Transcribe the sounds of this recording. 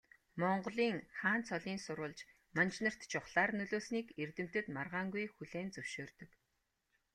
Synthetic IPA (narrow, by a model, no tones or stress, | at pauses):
mɔɴɢ̆ɮiːŋχaːnt͡sʰɔɮiːnsʊɾʊːɮt͡ɕ | mant͡ɕnə̆r̥t̪t͡ɕʰʊχɮaːrnɵɮoːsniːkert̪ɘ̆m̥t̪ɘ̆t̪marʁaːŋɡujxuɮeːnt͡sɵw̥ʃoːrt̪ɵ̆k